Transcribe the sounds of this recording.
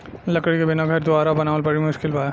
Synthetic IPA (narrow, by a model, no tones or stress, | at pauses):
lɐkəɽikebɪnaɡʱɐɾd̪ʊaːɾabɐnaːʋəlpɐɽimʊʃkɪlpaːj